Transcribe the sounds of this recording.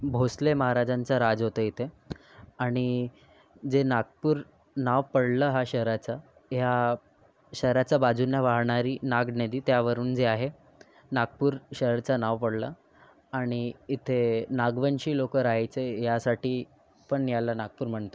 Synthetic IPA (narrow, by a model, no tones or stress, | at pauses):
bʱosleməɦaɾad͡zant͡saɾad͡zɦot̪əit̪ʰe | aɽ̃i | d͡zenaɡ̚puːɾ | naʋpəɽləːɦaɕəɦɾat͡sa | ɦja | ɕəɦɾat͡sabad͡zunjaʋaɦɳaɾiːnaɡned̪iːt̪jaʋəɾuːnd͡zeaɦe | naɡ̚puːɾɕəɦəɾt͡sanaʋpəɽla | aɽ̃iːt̪ʰenaɡʋəɳɕiːlokəɾaɦjt͡sejasaʈiː | pəɳjalanaɡ̚puːɾm̤əɳt̪o